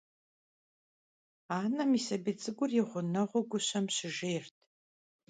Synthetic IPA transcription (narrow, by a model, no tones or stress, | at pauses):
aːnɐmisɐbɨt͡sʼɨɡʷʊrjɪʁʷʊnɐʁʷʊɡʷʊɕɐmɕɪʒeːrtʰ